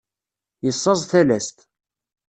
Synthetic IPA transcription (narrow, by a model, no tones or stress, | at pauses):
jəsˤːɑzˤθælæst̪